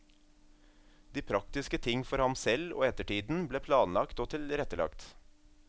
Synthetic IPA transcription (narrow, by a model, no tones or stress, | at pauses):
d̪̥iːpʰɾɑkt̪ɪskət̪ʰɪŋfɔɾhɑmsɛlo̰ːɛt̪əʈiːd̪n̩bleːpʰlɑːnlɑkt̪oːt̪ʰɪlɾɛt̪əɭɑ̰kt̪